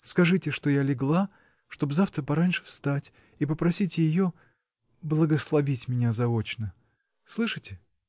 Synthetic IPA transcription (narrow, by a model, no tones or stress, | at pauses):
skɐʐɨtʲɪʂt̪o̞jalʲɪɡlˠa | ʂt̪o̞bzaft̪ɾəpɐɾanʲʂɨ̥fst̪atʲ | ipəpɾɐsʲitʲɪjɪjo̞ | blˠəɡəslˠɐvʲitʲmʲɪnʲazɐo̞t͡ɕnə | slˠɨʂɨtʲɪ